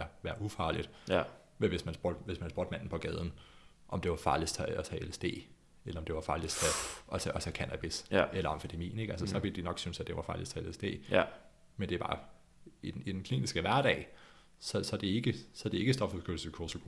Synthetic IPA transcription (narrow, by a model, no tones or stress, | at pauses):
ɐʋæːɐʔufɑ̈ːlid̥ | meʋe̝smænsb̥od̥ʋe̝smænsb̥o̰ːd̥mæn̰n̩pʰɒ̽ɡ̥ɛːð̞ˠn̩ | ʔɒ̽md̥e̝ʋɑ̈fɑ̈ːlist͡sʰææsæelsd̥e̝̰ː | elɐɒ̽md̥e̝ʋɑ̈fɑ̈ːlist͡sʰæɒsɒsɐkʰænæb̥iselɐɒ̽mfid̥emḭːn̩e̝ɡ̥æls̬əsɒ̽ʋeld̥inɒ̽ɡ̥synsæd̥e̝ʋɑ̈fɑ̈ːlist͡sʰeelesd̥e̝̰ː | mend̥e̝b̥ɑ̈ː | i̥id̥enkʰlḭːnisɡ̥əʋæɐɾ̥ɛ̰ːɪ | sɒ̽sɒ̽d̥e̝e̝ɡ̥əsɒ̽d̥e̝e̝ɡ̥əsd̥ɒ̽fuskɡ̥øl̩səkʰosoɡʰ